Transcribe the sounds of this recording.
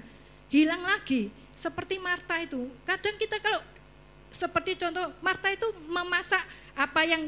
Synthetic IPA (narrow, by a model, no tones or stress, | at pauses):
hilaŋlaɡ̥i | səpərt̪imart̪ait̪ukaɖ̥a̤ŋkit̪akalo | səpərt̪it͡ʃɔnt̪ɔhmart̪ait̪uməmasaʔapajaŋ